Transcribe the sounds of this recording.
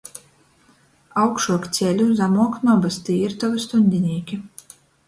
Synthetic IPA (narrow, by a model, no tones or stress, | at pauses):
awkʃuɔkt̪sʲɛlʲuzamuɔknɔbast̪iːɾt̪ɔvɨst̪unʲd̪ʲinʲiːkʲi